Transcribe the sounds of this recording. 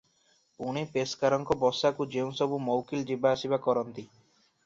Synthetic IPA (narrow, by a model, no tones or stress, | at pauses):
uɽ̃ipeskaɾɔŋkɔbɔsakud͡ʒeũsɔbumɔwkild͡ʒibaːsibakɔɾɔnt̪i